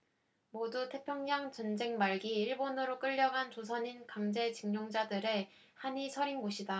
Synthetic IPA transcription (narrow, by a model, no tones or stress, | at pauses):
modutʰe̞pʰjʌŋɲaŋt͡ɕʌnd͡ʑe̞ŋmaɭɡiːɭbonɯɾok͈ɯʎːʌɡant͡ɕosʰʌɲinkaŋd͡ʑe̞t͡ɕiŋɲoŋd͡ʑadɯɾe̞ | haɲisʰʌɾinɡoɕʰida